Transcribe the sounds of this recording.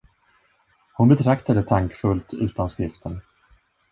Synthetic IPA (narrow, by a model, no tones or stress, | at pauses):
hʊnbɛt̪ʰɾakt̪ad̪ət̪ʰaŋkfɵlt̪ʰʉ̟̰ːt̪anskɾɪft̪ʰən